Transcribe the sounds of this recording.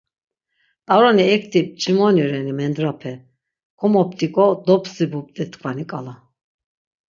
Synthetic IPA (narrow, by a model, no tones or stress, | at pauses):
t̪ʼaɾɔniɛk̚ʰt̪ʰip̚t͡ʃʼimɔnjɔɾɛnimɛnd̪ɾapʰɛ | kʰɔmɔp̚ʰt̪ʼikʼɔd̪ɔpʰsibup̚t̪ʼɛt̪kʰvanikʼala